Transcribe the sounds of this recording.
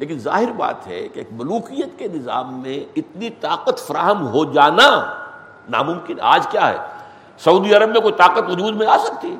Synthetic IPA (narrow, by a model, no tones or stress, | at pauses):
leːk̬ɪnza̰ːɦɪɾba̰ːt̪ɦɛ̰kekbɐluːkijət̪kenɪza̰ːmːẽɪt̪nit̪aːqət̪fɐɾaːɦəmɦod͡ʒaːna | na̰mʊ̃mkɪna̰ːd͡ʒkjaɦɛ̰ː | sɐuːd̪iɐɾəbmẽkoit̪aːqət̪ʋʊd͡ʒuːd̪mẽaːsɐk̚t̪iɦɛː